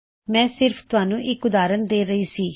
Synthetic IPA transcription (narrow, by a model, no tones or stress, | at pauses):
mɛ̃ːsɪɾpʰt̪ʊaːnũːʔɪkʊd̪aːɾənd̪eːɾəiːsiː